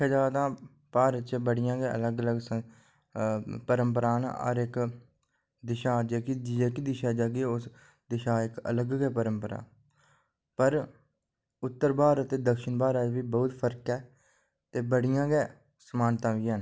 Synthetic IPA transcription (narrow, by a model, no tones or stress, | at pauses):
ɛːd͡ʒaːd̪ãː | paːɾət̪̚t͡ʃɛːbəɽɪjãːɡɛːʔə̰ləɡələɡs | pəɾəmpəɾaːnɔ̰ːɾɪk | d̪ɪʃaːd͡ʒeːkid͡ʒd͡ʒeːkid̪ɪʃaːd͡ʒaːɡeːʊs | d̪ɪʃaːɪkə̰ləɡɡɛːpəɾəmpəɾa̰ː | pəɾ | ʊt̪ːəɾbaːɾət̪eːd̪əkʃənbaːɾət̪ʋiːbɔːt̪pʰəɾkɛː | t̪eːbəɽɪjãːɡɛː | səmaːnt̪ãːʋiːən